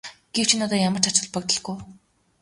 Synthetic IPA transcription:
ɡ̥ewt͡ɕʰinɔt̪ɔːjamə̆r̥t͡ɕʰat͡ɕʊ̆ɮpɔkt̪ɞ̆ɮɡuw

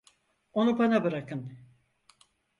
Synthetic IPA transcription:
o̞nupanabɯɾakɯn

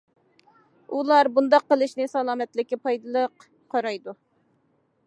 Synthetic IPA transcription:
ulˠɑɾbund̪ɑqːəlˠɨʃnɪsɑlˠɑːmɛt̪lɪkʲːɪpʰɑjd̪ɨlˠəq | qʰːɑɾɑjd̪u

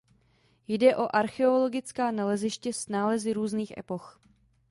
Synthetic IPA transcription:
jdɛʔo̞ʔaɾxɛo̞lo̞ɡɪt͡skaːnalɛzɪʃcɛsnaːlɛzɪɾuːzniːxʔɛ̰po̞x

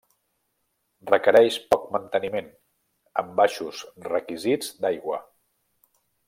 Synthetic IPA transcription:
rrəkəɾɛʃpɔk̚mənt̪ənimen | əmbaʃusrəkizid͡zd̪ajɣwə

